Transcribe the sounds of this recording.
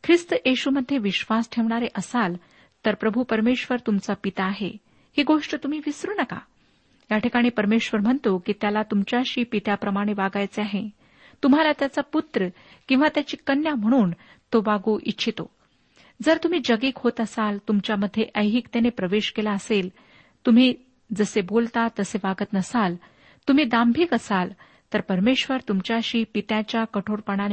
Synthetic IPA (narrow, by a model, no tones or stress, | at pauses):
kʰɾist̪əjeɕuməd̪ʱːjeʋiɕʋasʈʰeʋɳ̃aɾeʔəsal | t̪əɾpɾəbʱupəɾmeɕʋəɾt̪umt͡sapit̪aːɦḛ | hiːɡoʂʈət̪um̤iːʋisɾuːnəka̰ | ɦjaʈʰikaɽ̃iːpəɾmeɕʋəɾm̤əɳt̪okiːt̪jalat̪umt͡ɕjaɕiːpit̪japɾəmaɽ̃eʋaɡajt͡seaɦe | t̪um̤alat̪jat͡saput̪ɾə | kĩw̃ʋat̪jat͡ɕiːkənjam̤əɽ̃uːn | t̪obaɡuːʔitːɕʰit̪o | d͡zəɾt̪um̤iːd͡ʑəɡiːkhot̪əsalt̪umt͡ɕjaməd̪ʱːjeʔəjɦikt̪enepɾəʋeɕkelaəsel | t̪um̤iː | d͡zəsebolt̪at̪əseʋaɡət̪nəsal | t̪um̤iːd̪ambʱiːkəsal | t̪əɾpəɾmeɕʋəɾt̪umt͡ɕjaɕiːpit̪jãt͡ɕjakəʈʰoɾpəɽ̃an